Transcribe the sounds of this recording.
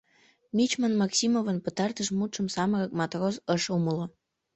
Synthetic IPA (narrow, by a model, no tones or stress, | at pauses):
mʲit͡ɕmənmɑksʲimovənpət̪ɑrt̪əʃmut̪ʃəmsɑməɣək̚mɑt̪rozəʃuməlo